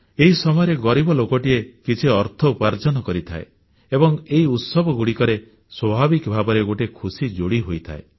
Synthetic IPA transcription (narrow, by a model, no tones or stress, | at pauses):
eɦisɔmɔjɔɾeɡɔɾibɔlokɔʈiekit͡ʃʰiɔɾt̪ʰɔupaɾd͡ʒɔnɔkɔɾit̪ʰae | ebɔŋeɦiut̪sɔbʱɔɡuɽikɔɾe | swɔbʱabikbʱabɔɾeɡoʈekʰusid͡ʒoɽiɦojt̪ʰa̰e